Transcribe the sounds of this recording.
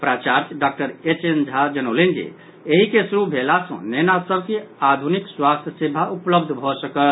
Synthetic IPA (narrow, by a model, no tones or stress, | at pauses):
pɾat͡ʃaɾt͡ʃɖak̚ʈəɾet͡ʃend͡ʒʱad͡ʒənowlend͡ʒḭ | eɦikesuɾubʱelasə̰̃nenasəbkead̪ʱunikswast̪ʰjəsebʱaʔupləb̚d̪ʱbʱɔsəkəl